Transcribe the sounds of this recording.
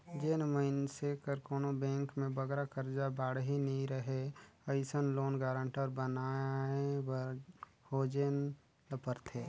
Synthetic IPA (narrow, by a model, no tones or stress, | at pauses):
d͡ʒeːnməɪnsekəɾkoːnobɛ̃ːŋkmẽbəɡɾakəɾd͡ʒabaːɽɦinəɦĩɾəɦeəɪsənloːnɡaːɾə̃ɳʈəɾbənaewəɾ | hoːd͡ʒeːn | ləpəɾt̪ʰeː